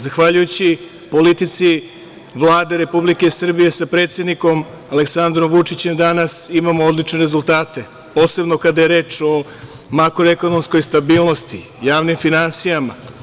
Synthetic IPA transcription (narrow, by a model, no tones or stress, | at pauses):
zaxʋaʎujut͡ɕi | po̞lit̪it̪si | ʋlˠaːd̪e̞ɾe̞publike̞sr̩bije̞sapɾe̞t̪sje̞d̪niko̞m | ale̞ksand̪ɾo̞mʋut͡ʂit͡ɕe̞md̪anasimamood̪lit͡ʃne̞ɾe̞zulˠt̪aːt̪e̞ | po̞ːse̞bno̞kad̪ajeɾe̞ːt͡ʃo̞ | makɾoeko̞no̞msko̞jst̪abiːlˠno̞st̪i | jaːʋnimfinansijama̰